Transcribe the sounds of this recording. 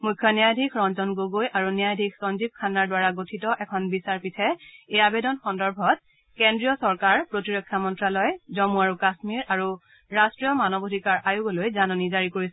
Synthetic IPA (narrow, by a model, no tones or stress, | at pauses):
mujkʰːjɔnijajdʱikʰɹɔnzɔnɡoɡojʔaɹunijajdʱik̚ʰsɔnzib̚kʰanaɹdwaɹaɡotʰitɔʔɛkʰɔnbisaɹpitʰɛejabedɔnxɔndɔɹbʱɔt̚ | kendɹijɔsɔɹkaɹpɹotiɹɔkʰːjamɔntɹalɔjzɔmuaɹukasmiɹaɹu | ɹastɹijɔmanɔbodʱikaɹʔajuɡɔlojzanɔnizaɹikoɹisɛ